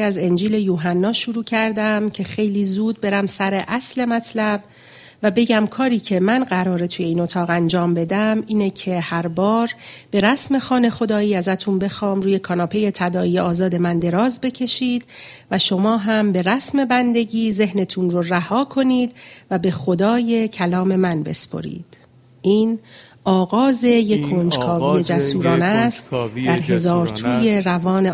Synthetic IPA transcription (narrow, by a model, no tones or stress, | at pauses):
æze̞nd͡ʒiːle̞juːɦænːɒːʃuɾuːcʰæɾd̪æmcʰe̞xe̞jliːzuːd̪̚be̞ɾæmsæɾe̞ʔæsle̞mæt̪ʰlæb | væbe̞ɟæmkʰɒːɾiːcʰe̞mænɢæɾɒːɾe̞t̪ʰuːje̞iːno̞t̪ʰɒːɣænd͡ʒɒːmbe̞d̪æmiːnecʰe̞hæɾbɒːɾb̥e̞ɾæsme̞xɒːne̞xo̞d̪ɒːiːæzæt̪ʰunbe̞xɒːmruːje̞kʰɒːnɒːpʰe̞je̞t̪ʰæd̪ɒːijeɒːzɒːd̪e̞mænd̪e̞ɾɒːzbe̞cʰe̞ʃiːd̪̥væʃo̞mɒːɦæmbe̞ɾæsme̞bænd̪e̞ɟiːze̞hne̞t̪ʰunroræhɒːkʰo̞niːd̪væbe̞xod̪ɒːje̞cʰælɒːme̞mænbe̞̰spʰo̞̰ɾḭːd̪̥ | ʔiːnɒːɣɒːze̞jekʰːond͡ʒkʰɒːvije̞d͡ʒæsuːɾɒːnæst̪d̪æɾɦe̞zɒːɾt̪ʰuːje̞ɾævɒːne̞